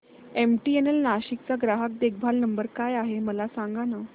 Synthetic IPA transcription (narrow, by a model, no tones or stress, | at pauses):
emʈienelnaɕik̚t͡saɡɾaɦək̚d̪ek̚bʱalnəmbəɾkajaɦeməlasãŋɡana